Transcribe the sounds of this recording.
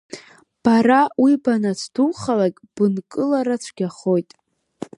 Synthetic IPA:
b̥arawibanat͡sʰduχalakʲʼb̥ɨnkʼɨlaɾat͡ʃʷʰɡʲaχo̞jtʼ

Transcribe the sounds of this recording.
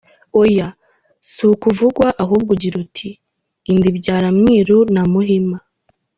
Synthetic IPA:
oja | sukuvuɡwaʔaɦuːb̚ɡuɟiɾutʰiː | ndibɟaːɾamŋiːɾunamuɦima

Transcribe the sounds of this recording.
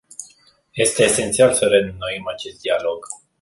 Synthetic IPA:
je̞st̪e̞ːse̞nt̪sialsəɾenunoimat͡ʃe̞st̪̚d̪ialo̞ɡ̥

